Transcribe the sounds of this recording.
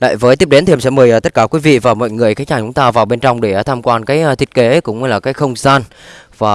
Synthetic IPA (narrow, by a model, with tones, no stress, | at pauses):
la̰ː˧˨jvəː˨˦jt̪i˦˥əp̚e˨˦nt̪i˨hə˧sɛ̰˧˥mə˨˩jʔəː˨˩t̪ə˦˥t̚kaː˧˩kwi˨˦vḭ˧˨vaː˨˩mɔ̰˧˨jŋɨ˨˩əjkaː˨˦nt͡ɕaː˨˩t͡ɕʊ˨˦ŋ͡mt̪aː˧vaː˨˩wɓe˧nt͡ɕɔ˧wŋ͡mɗe˧˩˦t̪ʰaː˧mkwaː˧nkaː˨˦jʔə˧t̪ʰi˦˥ət̚ke˨˦kʊ̰˧˥ŋ͡mɛ˧jlaː˨˩kaː˨˦jxə˧wŋ͡mzaː˧nvaː˨˩